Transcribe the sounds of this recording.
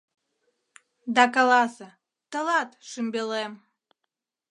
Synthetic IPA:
d̪ɑkɑlɑsə | t̪əlɑt̪ʃɨmbelem

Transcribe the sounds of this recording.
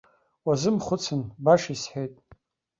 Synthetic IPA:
wazɨmχʷʊt͡sʰɨnbaʂisħejtʼ

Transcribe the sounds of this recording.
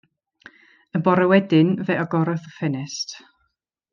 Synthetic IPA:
ənbɔɾəwɛdɪnvɛʔɔɡɔɾɔðəfɛnɛst

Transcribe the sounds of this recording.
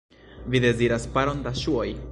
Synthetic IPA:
vid̪e̞ziɾaspaɾo̞nd̪aʃuo̞j

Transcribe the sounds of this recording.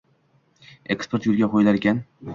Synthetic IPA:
e̞kspʰeɾt̪jʊlˠɡʲaqʰojlaɾɡʲan

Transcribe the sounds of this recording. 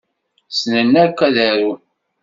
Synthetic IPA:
snənːæɾkʷːæðæɾu

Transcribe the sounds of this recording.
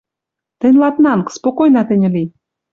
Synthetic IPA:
t̪ɘ̆nʲlɑt̪nɑnkspokojnɑt̪ɘ̆nʲɘ̆li

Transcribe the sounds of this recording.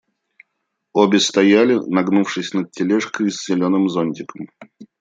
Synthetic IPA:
obʲɪst̪ɐjalʲɪnɐɡnufʂɨsʲnət̪̚tʲɪlʲɛʂkəsʲzʲɪlʲo̞nɨmzonʲtʲɪkəm

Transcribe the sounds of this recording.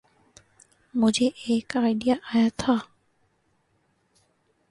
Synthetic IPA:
mʊd͡ʒʱeʔeːkaːɪɖijaʔaːjat̪ʰaː

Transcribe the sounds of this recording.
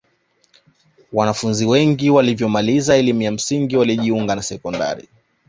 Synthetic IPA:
wanafunziwɛŋɡiwalivjɔmalizaɛlimujam̩siŋɡiwaliʄiuŋɡanasɛkɔnda̰ɾḭ

